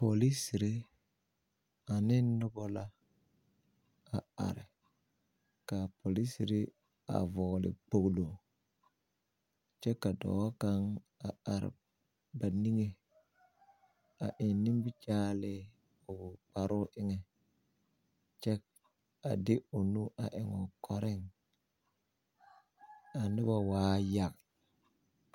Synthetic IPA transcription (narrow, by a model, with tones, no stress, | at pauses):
po˨li˦si˨ɾi˦ | a˨ni˦nːʊ˦bo˦la˦ | a˨a̰˨ɾɪ˨ | ka˨po˨li˦si˨ɾi˦ | a̰˨vɔ˨ɣlɪ̰˨k͡po˨ɡlo˨ | t͡ʃe˦kːa˨do̰˨o˦ka˦ŋ | a˨a˨ɾ̰ | ba˨ni˦ŋe˨ | a̰˨ʔɪ˨nːi˦mbi˦t͡ʃaː˦lɪ˦ | o˨k͡pa˨ɾʊ˦ʔɪ˦ŋe˨ | t͡ʃɛ˦k̚ | a̰˨dɪ˦o˨nu˦ʔa̰˨ʔɪ˨ŋɔ˨kʰɔ˨ɾɪ˦ŋ | a˨nɪ˦ba˨waː˦ja˨k